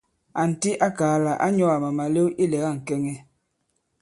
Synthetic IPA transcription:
a˨n̩˨ti˦ʔa˦kaː˨˦la˨ʔa˦ɲɔ˦a˨ma˨ma˨le˦ʔi˦lɛ˨ɣa˦˨ŋ̩˨kɛ˦ŋɛ˦

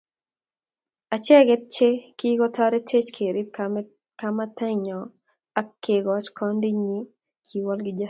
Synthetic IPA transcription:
a˨t͡ʃɛ˦ɡɛ˦t̚t͡ʃe˦ki˦ɡɔ˦ta˦ɾe˦tʰe˦t͡ʃkʰe˨ɾi˦ | kama˦ta˦ɲɔ˨ | a˦kːe˨ɡɔt͡ʃkʰɔ˦ndi˦ɲi˦ | kʰi˨wɔ˦lɡɪ˦d͡ʒa

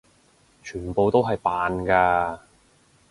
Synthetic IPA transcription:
t͡ʃʰyː˨˩npo˨˧wt̪o˥wɦɐ˨jpaː˨nkaː˧

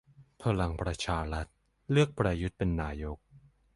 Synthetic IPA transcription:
pʰa˧la˧ŋpɾa˧t͡ɕʰaː˧ɾa˦˥t̪̚ | lɯ˥˩ək̚pɾaː˧ju˦˥t̪̚pe˧nːaː˧jo˦˥k̚

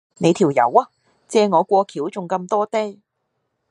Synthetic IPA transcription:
ne˨˧jt̪ʰiː˨˩wjɐ̰˨˥waː˧ | t͡sɛː˧ŋɔː˨˧kʷɔː˧kʰiː˨˥wt͡sʊ˨˩ŋkɐ˧mt̪ɔː˥t̪e˥

